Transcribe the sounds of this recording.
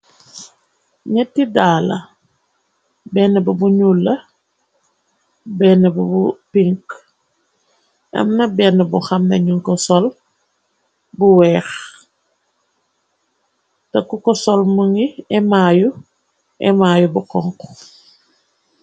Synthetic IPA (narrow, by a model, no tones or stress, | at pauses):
ɲɛtːidaːlɐ | bɛːnːəbɐbuɲuːlːɐ | bɛːnɐbɐbupiŋk | ʔɐ̰mnɐbɛnəbuxɐmnɐɲuŋkɔsɔl | buwɛːx | tɐkːukɔsɔlmuŋiɛmaːju | ʔɛ̰maːjubukɔŋk